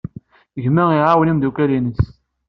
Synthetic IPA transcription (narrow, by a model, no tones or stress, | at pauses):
ʝmæiʕawnimd̪ukælinəs